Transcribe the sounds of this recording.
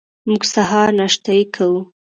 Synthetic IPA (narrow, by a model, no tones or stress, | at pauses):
muɡsaɦɑɾnaʃt̪ajikʰawu